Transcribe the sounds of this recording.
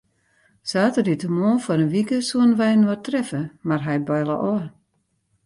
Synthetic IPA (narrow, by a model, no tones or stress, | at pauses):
saːtərditəmoːfɔɾənʋikəsuənʋɛjnwɔtrɛfəmarɦɛj̚bɛjlˠə̰ʔɔ